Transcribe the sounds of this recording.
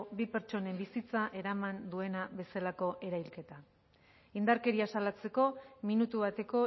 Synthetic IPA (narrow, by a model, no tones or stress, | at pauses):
bipe̞ɾt͡ʃo̞ne̞mbisit͡saʔe̞ɾamand̪ue̞naβe̞salako̞ʔe̞ɾajlke̞t̪a | ind̪aɾke̞ɾiasalat͡se̞ko̞minut̪uβat̪e̞ko̞